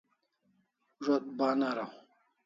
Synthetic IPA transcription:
ʐot̪̚banaɾa

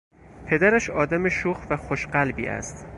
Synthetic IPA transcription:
pʰe̞d̪æɾæʃɒːd̪æmeʃuːxvæxoʃɢælbḭːʔæ̰st̪

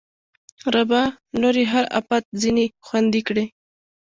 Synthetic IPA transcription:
ɾabɑ | noɾiɦaɾa̰pat̪̚zinixwand̪ikɽe

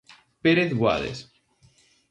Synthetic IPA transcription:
peɾeθɣwa̰ðḛs

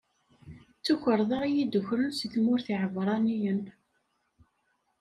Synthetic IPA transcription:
t͡sːuçəɾˤðˤəʁijid̪ʊçɾənsiθmʊɾθiʕəvɾˤɑnijən

